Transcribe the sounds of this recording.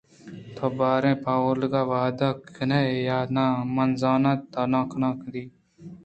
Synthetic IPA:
t̪ʰoːbaːɾẽːpaːwəɾləɡaːʋaːd̪aːkəneːejaːd̪nãːmɐnzaːnãːt̪aːnãːkənãːkəd̪iː

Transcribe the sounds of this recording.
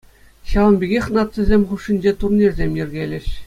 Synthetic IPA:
ɕɑlˠɤ̆mbʲiɡʲexʲnɑt̪ʲsʲɘ̆zʲemʲχuʂːinʲd͡ʑet̪urnʲirʲzʲemʲjɘ̆rʲɡʲelʲɘ̆ɕ

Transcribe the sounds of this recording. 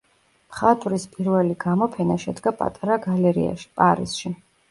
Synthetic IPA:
pχat̪ʼɾispʼiɾvɛliɡamɔpʰɛnaʃɛd̪ɡapʼa̰t̪ʼaɾaɡalɛɾḭa̰ʃpʼaɾḭsʃi

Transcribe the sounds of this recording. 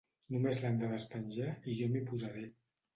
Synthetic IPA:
numezland̪əðəspənʲʒaiʒɔmipuzaɾe

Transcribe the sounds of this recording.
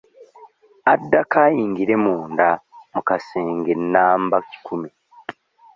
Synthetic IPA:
adːakaːjiːŋɡiɾe̞muːndamukaseːŋɡe̞nːaːmbaci̥kʰumi

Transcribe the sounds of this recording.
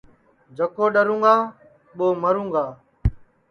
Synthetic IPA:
d͡ʒəkoːɗəɾũːŋɡaː | ɓoːməɾũːŋɡaː

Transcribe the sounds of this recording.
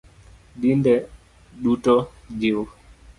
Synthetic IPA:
ɗindɛ | ɗutɔ | d͡ʒiw

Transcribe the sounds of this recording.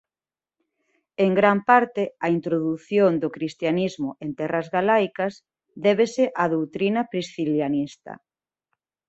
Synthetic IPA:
eŋɡɾampaɾt̪ɪɐint̪ɾoðuθjond̪ʊkɾist̪janizmʊʔent̪ɛrɐzɣalajkɐs | d̪ɛβeseʔɐðowt̪ɾinɐpɾisθiljanist̪ɐ̰

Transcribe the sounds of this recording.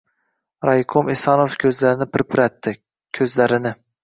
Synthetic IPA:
ɾajkʰomesɑnofkʲʰɵzlaɾɪnɪpʰɪɾpʰɪɾat̪ʰːɪ | kʲʰɵzlaɾɪnɪ

